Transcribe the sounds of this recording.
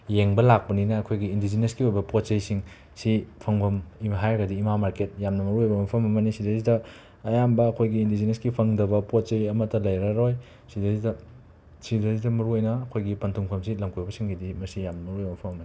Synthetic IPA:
jeŋbɐlak̚pɐninɐːkʰojɡiːndizineskiojbɐpot̚t͡ʃɐjsiŋ | sipʰɐŋbɐmimɦajɡɐdiːmamaɾket̚jamnɐmɐɾuojbɐmɐpʰɐmɐmɐnisidɐzidɐː | jambɐːkʰojɡiːndizineskipʰɐŋdɐbɐpot̚t͡ʃɐjɐmɐtːɐlɐjɾɐɾoj | sidɐzidɐ | sidɐzidɐmɐɾuojnɐːkʰojɡipɐntʰuŋpʰɐmsilɐmkʰujbɐsiŋɡidimɐsijamnɐmɐɾuojbɐmɐpʰɐmɐmɐni

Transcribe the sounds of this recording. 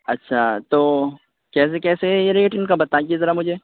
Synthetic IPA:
ɐtːʃʰat̪oː | kɛːs̬ekɛːsejeɾeːʈɪnkabɐt̪aɡiezɐɾamʊd͡ʒʱeː

